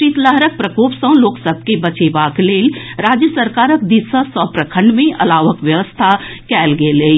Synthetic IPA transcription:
iːt̪ləɦɾək̚pɾəkoːpsə̃loːksəb̚ʱkebət͡ʃebaːkleːlɾaːd͡ʒjəsəɾkaːɾək̚d̪ɪsəsɔ̃pɾəkʰə̃ɳɖmẽʔɐ̰laːʋəkʋjəʋəst̪ʰakɛːlɡelei

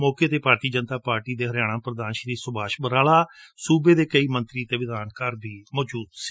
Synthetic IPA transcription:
mɔːkeːt̪eːpaːɾt̪iːd͡ʒənt̪aːpaːɾʈiːd̪eːɦəɾjaːɽ̃ãːpɾəd̪aːnʃəɾiːsʊbʱaːʃbəɾaːlaːsuːbeːd̪eːkəiːmənt̪ɾiːt̪eːʋɪd̪aːnkəːɾbʱiːmɔːd͡ʒuːd̪s

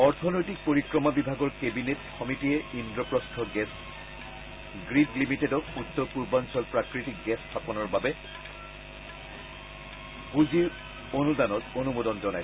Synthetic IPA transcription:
ɔɹtʰɔnojtik̚poɹikɹɔmabibʱaɡɔɹkebinetkɔmitijɛindɹɔpɹɔstʰɔɡɛs | ɡɹidlimitedɔkutːɔɹpuɹbansɔlpɹakɹitik̚ɡɛstʰapɔnɔɹbabɛ | buziɹ | onudanɔtonumodɔnzɔnaj

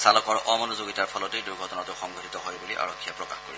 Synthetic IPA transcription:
salɔkɔɹɔmɔnʊzoɡitaɹpʰɔlɔtejduɹɡʱɔtɔnatʊxɔŋɡʱɔtʰitɔɦojbuliʔa̰ɹɔkʰːijɛpɹɔkaxko̰ɹis

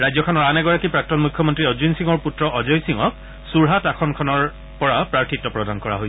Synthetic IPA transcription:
ɹajzɔkʰɔnɔɹanɛɡɔɹakipɹak̚tɔnmukʰːɔmɔntɹiɔd͡ʑunsiŋɔɹputɹɔʔɔzɔjsiŋɔk̚ | suɹɦatakʰɔnkʰɔnɔɹ | pɔɹapɹaɹtʰitːɔpɹɔdankɔɹa̰ɦojɛ

